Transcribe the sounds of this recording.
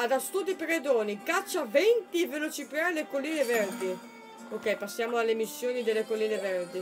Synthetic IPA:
ad̪ast̪ud̪ipeɾed̪oːnikat͡ʃːavent̪ivelot͡ʃipɾaelekolːiːnevɛrd̪i | okːɛjpasːjaːmoalːemisːjoːnid̪elːekolːiːnevɛrd̪i

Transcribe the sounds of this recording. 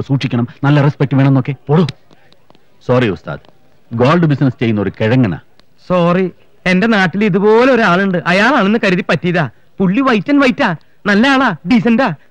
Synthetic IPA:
suːʈʂikʲːɐɳɐmnɐlːɐrespek̚ʈɨʋeɳenːokːe̞poɽu | soːriust̪a̰ːð | ɡoːlɖɨbisnɐst͡ɕe̞jːunːɐoɾukeɻɐŋːɐna̰ː | soːri | e̞nde̞naːʈːiliðubo̞ːle̞o̞ɾuaːɭuɳɖɨʔɐjaːɭaːɭenːɨkɐɾuðipːɐtːijðaː | puɭːiʋɐjtːɐnʋɐjitːaː | nɐlːɐaːɭaːɖis̬ɐndaː

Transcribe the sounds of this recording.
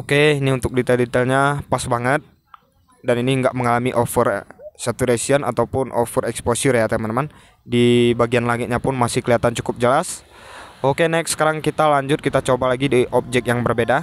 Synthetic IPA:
okeiniunt̪ʊk̚dit̪ɛldit̪ɛlɲapasbaŋət̪̚ | daniniəŋɡaʔməŋalamiʔofərsat̪uɾesiəna̰t̪awpʊnʔo̰fəɾɛksposʊrjat̪amanman | dibaɡianlaŋɪt̪̚ɲapʊnmasɪhkəliat̪ant͡ʃu̥kʊp̚d͡ʒəlas | okenaik̚sə̥kaɾaŋkit̪alaɲd͡ʒʊt̪̚kit̪at͡ʃobalaɡidiʔɔp̚d͡ʒɛk̚jaŋbərbeda

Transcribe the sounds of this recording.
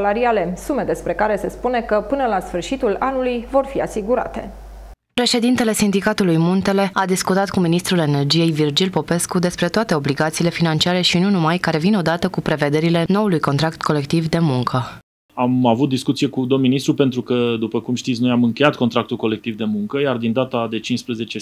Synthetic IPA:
laɾiale̞sume̞d̪e̞spɾe̞kaɾe̞se̞spune̞kəpɨnəlasfɨrʃit̪ulanulujvo̞rfiasiɡuɾa̰t̪e̞̰ | pɾe̞ʃe̞d̪int̪e̞le̞sind̪ikat̪ulujmunt̪e̞le̞ad̪iskut̪at̪kuminist̪ɾule̞ne̞rd͡ʒije̞jvird͡ʒilpo̞pe̞skud̪e̞spɾe̞t̪oat̪e̞o̞bliɡat̪siːle̞finant͡ʃiaɾe̞ʃinunumajkaɾe̞vino̞d̪at̪əkupɾe̞ve̞d̪e̞ɾile̞no̞ulujko̞nt̪ɾakt̪ko̞le̞k̚t̪ivd̪e̞muŋkʰə | amavut̪̚d̪iskut̪sije̞kud̪o̞minist̪ɾupe̞nt̪ɾukəd̪upəkumʃt̪it̪sno̞jamɨŋkʲe̞jat̪̚ko̞nt̪ɾakt̪ulko̞le̞k̚t̪ivd̪e̞muŋkəjard̪ind̪at̪ad̪e̞t͡ʃinspɾəze̞t͡ʃe̞

